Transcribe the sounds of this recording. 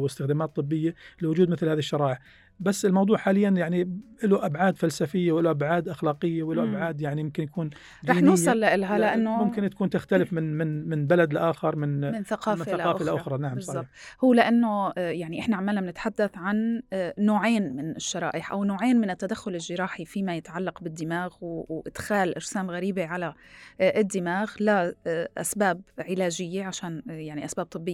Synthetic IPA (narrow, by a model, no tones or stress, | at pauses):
wɪst̪ɪxd̪aːmaːt̪ˤːɨbːɪjːalɪwʊd͡ʒuːd̪mɪθlhaːðiʃːɑɾˤɑːʔɪʕ | basːɪlmɑwd̪ˤuːʕħaːlɪjːanjaʕniʔɪluʔabʕaːd̪falsafɪjːawʔɪluʔabʕaːd̪ʔaxlaːqɪjːawʔɪluʔabʕaːd̪jaʕnijʊmkɪnjakuːn | d͡ʒˤɑːħnuːsːˤɑlːaʔɪlɦalɪʔanːʊmʊmkɪnt̪ḁkuːnt̪ɪxt̪alɪfmɪnmɪnmɪnbalad̪ɪlʔaːxɪɾˤmɪnmɪnθaqɑːmfɪnθlɑːfɪlaʔʊxɾˤɑnaʕambszˤɑɑˤhuːlɪʔanːojaʕniʔɪħnaʕamaːlnamnɪt̪ħad̪ːaθʕanːoːʕeːnmɪnɪʃːɑɾˤɑ̰ːʔɪħʔa̰wnoːʕeːnmɪnɪt̪ːad̪axːʊlɪlʒːɪɾˤɑːħifimajɪt̪ʕalːaqbɪd̪ːɪmaːɣwʔɪd̪̥xaːlʔɑɾsaːmɣaɾiːbeʕala | ʔɪd̪ːɪmaːɣlaʔa̰sbaːbʕɪlaːʒɪjːeʕaʃaːnjaʕniʔasbaːb̚t̪ˤɨbːɪjː